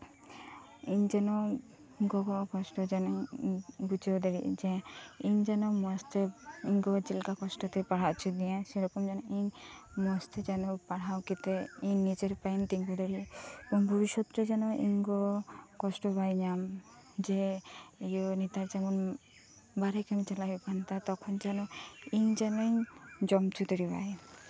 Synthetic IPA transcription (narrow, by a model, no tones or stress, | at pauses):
iɲd͡ʒanɔ | ɡɔɡɔkɔsʈɔd͡ʒan | ɡut͡ʃewd̪aɾḭʔd͡ʒeiɲd͡ʒanɔmɔst̪ʰeiŋɡɔd͡ʒilkakɔsʈɔt̪ɛpaɽ̤at͡ʃʰud̪ijãseɾɔkɔmd͡ʒanɔiɲmɔst̪ʰed͡ʒanɔpaɽ̤awkit̪ɛiɲnid͡ʒeɾpaint̪iŋɡud̪aɾipɔnbʱɔbiʃɔt̪ɾed͡ʒanɔʔiŋɡɔkɔsʈɔbajɲam | d͡ʒeijɔnit̪aɾd͡ʒɛmɔn | baɾɛkamit͡ʃalaipant̪at̪ɔkʰɔnd͡ʒanɔiɲd͡ʒanɔɲd͡ʒɔmt͡ʃʰut̪ɔɾiba̰e